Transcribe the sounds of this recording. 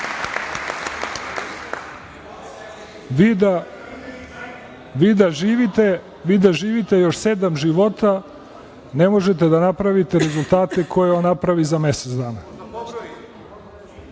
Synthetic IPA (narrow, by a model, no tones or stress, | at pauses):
ʋid̪aʒiːʋit̪e | ʋid̪aʒiːʋit̪e̞jo̞ʃsed̪amʒiʋo̞t̪a | ne̞mo̞ʒet̪e̞d̪anapɾaʋit̪e̞ɾezulˠt̪aːt̪e̞kʰo̞jeonːapɾaʋizame̞set̪zd̪aːna